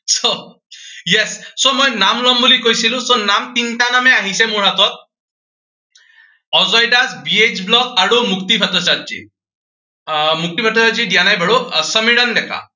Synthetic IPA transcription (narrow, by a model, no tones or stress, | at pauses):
so | jesːomɔjnamlɔmbulikojsilũsonamt̪inʈanameaɦisemuɽ̤at̪ɔt̪̚ | ɔzɔjɖasbiet͡ʃblɔt̪ʰaɽumukt̪ibʱət̪ɔsad̪̚t͡ʃḭ | muk̚t̪ibʰʱət̪ɔsad̪̚t͡ʃiɖjanajbʱəɽusəmiɽənd̪ɛkʰa̰